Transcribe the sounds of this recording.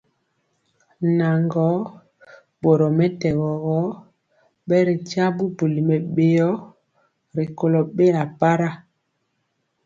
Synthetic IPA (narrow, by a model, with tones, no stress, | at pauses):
na˨ŋɡɔ˨˦ | bo˨ɾɔ˨mɛ˦tɛ˨ɣɔ˨ɣɔ˨˦ | ɓɛ˦ɾi˨t͡ʃa˦bu˦bu˨li˨mɛ˨ɓe˨jɔ˦ | ɾi˨ko˨lɔ˨ɓe˦a˨pa˦ɾa˦˨